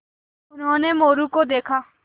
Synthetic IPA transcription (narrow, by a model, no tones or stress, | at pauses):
ʊnɦõːneːmoːɾuːkoːd̪eːkʰaː